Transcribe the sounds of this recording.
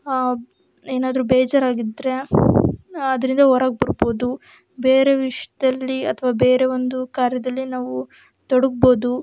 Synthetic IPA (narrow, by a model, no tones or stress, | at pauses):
eːnaːd̪ɐɾubeːd͡ʒɐɾaːɡid̪ɾe̞ | ɐd̪ɐɾind̪ɐɦoːɾaːɡ̚bɐɾbo̞ːd̪u | be̞ːɾe̞ʋiʂjɐd̪ɐlːiɐt̪ʰɐʋaːbe̞ːɾe̞ʋond̪ukaːɾjɐd̪ɐlːinaːʋu | t̪oɽuɡ̚bo̞ːd̪u